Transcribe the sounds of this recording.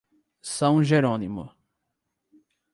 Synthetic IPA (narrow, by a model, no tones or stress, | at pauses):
sɐ̃w̃ʒeɾonimʊ̰